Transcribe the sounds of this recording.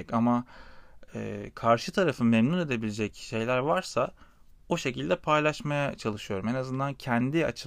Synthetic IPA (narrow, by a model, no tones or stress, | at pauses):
cama | ɛ̰ːkʰaɾʃɯt̪ʰaɾafɯmemnune̞d̪e̞bilʲed͡ʒɛcʃe̞jlʲæɾvaɾsa | oʃe̞cilʲd̪ɛpʰajlˠaʃmajat͡ʃʰalˠɯʃɯjo̞ɾumnazɯnd̪ancʰænd̪ia̰t͡ʃʰɯ